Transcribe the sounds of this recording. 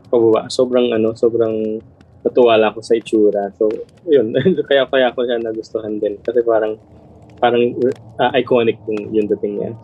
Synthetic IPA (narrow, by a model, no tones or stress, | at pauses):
pɐbɐba̰ʔso̞ːbɾɐŋʔɐno̞so̞ːbɾɐŋ | mɐt̪ʊwaːlɐɐko̞sɐɪt͡ʃuːɾɐso̞ | jonkɐjapɐjaʔkoʃanɐɡʊst̪oɦand̪ɪnkɐsɛpaːɾɐŋ | paːɾɐŋʔɐʔɐjko̞ːnɪk̚jʊŋjʊŋd̪ɐt̪ɪŋɲa̰